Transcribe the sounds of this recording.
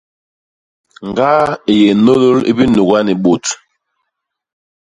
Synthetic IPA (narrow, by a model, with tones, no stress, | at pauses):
ŋ˨ɡa˦e˨je˨no˦lo˦lḭ˦bi˦nu˨ɣa˦ni˨ɓo˨t